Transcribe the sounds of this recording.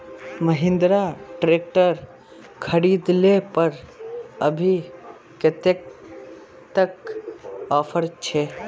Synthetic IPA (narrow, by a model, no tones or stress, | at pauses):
məɦɪ̃nd̪ɾaʈɾeːk̚ʈəɾ | kʰəɾiːd̪lepəɾəbʱi | kɪt̪ek̚ | t̪ək | ɔːpʰəɾt͡ʃʰeː